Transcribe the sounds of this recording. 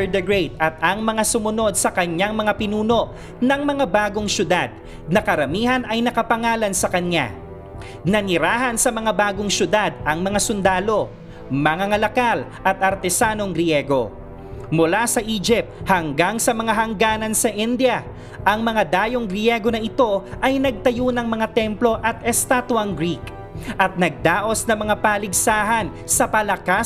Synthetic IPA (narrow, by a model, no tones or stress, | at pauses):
d̪ɛɡɹɛjt̪̚ʔɐt̪̚ɐŋmɐŋasʊmʊno̞d̪̚sɐkɐɲːaŋmɐŋapɪnuːno̞ʔ | nɐŋmɐŋabaːɡo̞ŋsʊd̪ad̪̚ | nɐkɐɾɐmiːhɐnɐjnɐkɐpɐŋaːlɐnsɐkɐɲːa̰ | nɐnɪɾaːɦɐnsɐmɐŋabaːɡo̞ŋʃʊd̪ad̪ɐŋmɐŋasʊnd̪aːlo̞ | mɐŋaŋɐlɐkalʔɐt̪̚ʔɐɾt̪ɛsaːno̞ŋɡɾjɛːɡo̞ | mʊlasɐʔiːd͡ʒɪp̚t̪̚hɐŋɡaŋsɐmɐŋaɦɐŋɡaːnɐnsɐʔɪnd̪jɐ | ʔɐŋmɐŋad̪aːjo̞ŋɡɾɪjɛɡo̞nɐʔɪt̪o̞ʔɐjnɐɡ̚t̪ɐjonɐŋmɐŋat̪ɛmplo̞ʔɐt̪ʔɛst̪aːt̪ʊɐŋɡɾik | ʔɐt̪̚nɐɡ̚d̪aːʔo̞snɐmɐŋapaːlɪɡsaːɦɐn | sɐpɐlɐka